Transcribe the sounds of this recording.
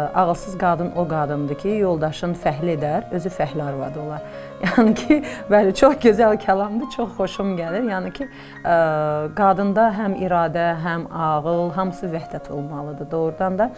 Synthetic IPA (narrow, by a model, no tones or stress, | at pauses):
ɑɣɯlˠsɯzɡɑd̪ɯnʔoɡɑd̪ɯnd̪ɯcʰijo̞lˠd̪ɑʃɯnfæɦlie̞d̪æɾø̞zyfæɦliɑɾvɑ̰d̪o̞lˠɑɾ | jɑnɨcʰibælæt͡ʃʰo̞χɟø̞zælcʰælˠɑmd̪ɯt͡ʃʰo̞χːo̞ʃumɟæliɾjɑːnɯcʰi | ɡɑd̪ɯnd̪ɑɦæmḭɾɑːd̪æɦæmɑɣɯlˠɦɑmsɯvæhd̪æt̪ʰo̞̰lˠmɑlˠɯd̪ɯd̪o̞ɣɾd̪ɑnd̪ɑ